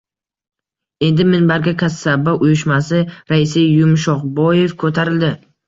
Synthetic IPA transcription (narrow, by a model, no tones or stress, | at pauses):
e̞nd̪ɪmɪnbaɾɡʲakʲʰasːabaʔʊjʊʃmasɪɾaɪsɪjʊmʃ̬ɒqbɒje̞fkʰot̪ʰaɾɪld̪ɪ